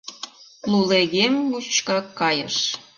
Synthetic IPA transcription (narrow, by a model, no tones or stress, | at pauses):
luleɣemjut͡ɕkɑkːɑjə̰̆ʃ